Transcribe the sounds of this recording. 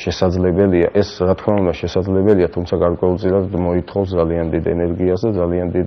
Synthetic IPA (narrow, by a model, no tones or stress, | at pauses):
ʃɛsad̪zlɛbɛlia̰ʔɛsɾat̪ʰkʰmaund̪aʃɛsad̪zlɛbɛliat̪ʰumt̪sʰaɡaɾkʼwɛulˠt̪sʼilad̪mɔit̪ʰχɔvs̬d̪zalianmd̪id̪ɛnɛɾɡiasd̪ad̪zaliand̪id̪